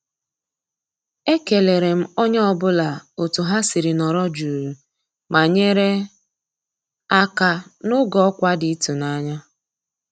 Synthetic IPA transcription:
e˦ke˨le˨ɾe˨m̩˦o˦ɲ˦ɔ˨bʊ˦la˨o˨tu˨ɦa˦si˨ɾi˨nɔ˨ɾɔ˦d͡ʒu˨ɾu˨ | ma˨ɲe˦ɾe˦ | a˦ka˦nʊ˦ɡɔ˦ɔ˦kʷa˦di˦i˦tu˨na˦ɲa˦

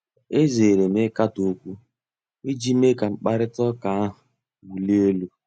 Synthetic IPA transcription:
e˦ze˨ɾe˨me˦ka˦to˦kʷu˦ | i˦d͡ʒi˦me˦ka˨ŋ͡m̩˨k͡pa˦ɾɪ˦tɔ˦ka˨a˦ɦʊ˨ | wu˨le˦o˦lu˦

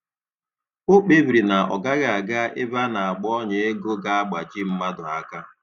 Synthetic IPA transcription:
o˦k͡pe˦bɾi˨na˨ɔ̰˨ɡa˦ɣa˨a˨ɡa˦ʔɪ˦ba˦na˨a˨ɡ͡bɔ˦ɲe˨e˦ɡo˦ɡa˦a˦ɡ͡ba˨t͡ʃi˦m̩˦ma˦dʊ˨a˦ka˦

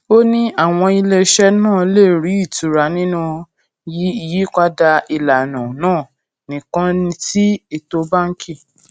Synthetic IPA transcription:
o˦nĩ˦a˦˨w̃ɔ̃˧i˧le˧ʃɛ˦nãː˦˨le˦˨ɾi˨˦i˦˨tu˨ɾa˨˦nĩ˦nũ˦ | ji˦i˧ji˦k͡pa˦da˧i˧la˨nã˨nãː˦˨ | nĩ˨kã˦nĩ˧ti˦e˦˨to˧ba˦ŋ̩˦kʰi˦˨

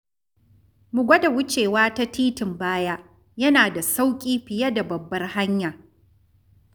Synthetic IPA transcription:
mʊ˨ɡʷɐ˦da˨wʊ˦t͡ʃeː˨waː˦ta˦tiː˦tɪ˨mbaː˦ja˦ | jɐ˦naː˨da˨sa˦wkʲʼiː˦ɸɪ˨jɐ˦da˨bɐ˨bːɐ˦rha˦ɲja˨

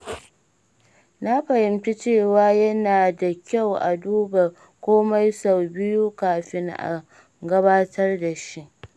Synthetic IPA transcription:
na˦ɸɐ˨hɪ˨mti˦t͡ʃeː˦˨waː˦jɐ˦naː˨da˨kʲa˦˨wʔa̰˨duː˦ba˨ | kʷoː˦ma˦jsa˨wbɪ˦ju˦kaː˨ɸɪ˦ŋʔa̰˨ | ɡɐ˦βaː˦tʰɐ˦rda˨ʃi˦ʔ

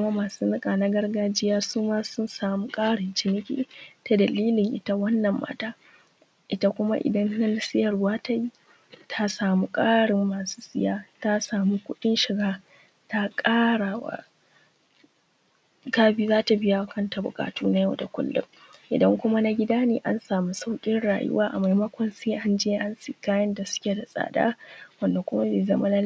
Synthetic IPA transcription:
kʷʊ˦ma˦maː˨suː˦nɪ˦kʼa˨na˦ɡɐ˦rɡaː˦d͡ʒɪ˦jaː˦suː˦maː˦sʊ˦nsaː˨muː˦kʼaː˦ɽɪ˨nt͡ʃɪ˦nɪ˦kʲḭː˦ta˨dɐ˨liː˦lɪ˨ŋʔɪ̰˦ta˦wɐ˦nːɐ˨mːa̰ː˦taː˦ | ʔɪ˦ta˦kʷʊ˦ma˦ʔɪ̰˨dɐ˦nna˦la˦sɪ˦jɐ˨rwaː˦ta˦i˦ | tʰa˦saː˨mu˦kʼaː˦ɽɪ˨mːaː˨su̥ː˦sɪ˦jaː˦ta˦saː˨mu˦kʷʊ˦ɗɪ˦nʃɪ˨ɡa˦ | ta˦kʼaː˦ɽaː˨wa̰˦ | kaː˦biː˦zaː˦ta˨bɪ˦ja˦˨˦kʰɐ˦nta˨bʊ̰˨kʼa̰ː˨tuː˦na˦jɐ˦wda˨kʷʊ̰˦lːʊ̰˦m | ʔɪ̰˨dɐ˦ŋkʷʊ˦ma˦na˦ɡʲɪ˦daː˦neː˨ʔa˦nsaː˨mu˦sa˦wkʲʼɪ˦nɽa̰ː˨jʊ̰˦waː˦ʔa̰˨ma˨jmɐ˦kʷɔ˨nseː˦ʔa˦nd͡ʒeː˦ʔa˦nsiː˦˨kaː˦jɐ˦nda˨sʊ̥˦kʲe˨da˨sʼa̰ː˨da̰ː˦wɐ˨nda˨kʷʊ˦ma˦beː˨zɐ˦ma˦la˦

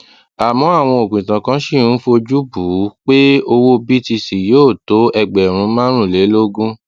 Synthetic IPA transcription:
a˨mɔ̃˨˦a˦˨w̃ɔ̃˧o˨kĩ˨tã˨kã˨˦ʃi˦˨ɾũ˦fo˧d͡ʒu˦bu˨˦k͡pe˦o˧wo˦bi˦ti˧si˨joː˦˨to˨˦ɛ˧ɡ͡bɛ˨ɾ̃ũ˨˧˦mã˦ɾ̃ũ˦˨le˨˦lo˦ɡũ˦

